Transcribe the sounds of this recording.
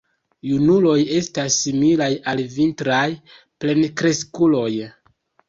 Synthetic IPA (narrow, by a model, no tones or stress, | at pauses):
junulo̞je̞stasːimilajalvintɾaj | ple̞nkɾe̞skulo̞j